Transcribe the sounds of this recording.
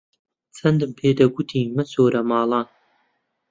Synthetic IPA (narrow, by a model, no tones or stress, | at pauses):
t͡sʰɐnd̪ɨmpʰeːd̪ɐɡʷut̪ʰiːmɐsoːɾɐmɑːlˠɑːn